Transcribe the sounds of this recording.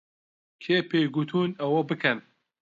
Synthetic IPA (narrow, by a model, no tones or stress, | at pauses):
kʰeːpʰeːjɡut̪ʰuːnɐwɐbɨkʰɛn